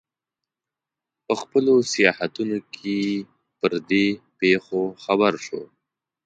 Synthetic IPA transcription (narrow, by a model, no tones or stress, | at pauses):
pəxpəlosijɑhat̪unokʰe | pəɾd̪epexoxabaɾʃo̰